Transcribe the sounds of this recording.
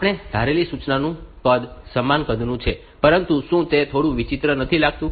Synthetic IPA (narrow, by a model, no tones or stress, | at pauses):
apɳ̃ed̪ʱaɾelisut͡ʃnanũkəd̪səmːankəd̪ʱnũt͡ʃʰe | pəɾənt̪ũʃũt̪et̪ʰoɽũʋit͡ʃɪt̪ɾənət̪ʰilaɡ̚t̪ũ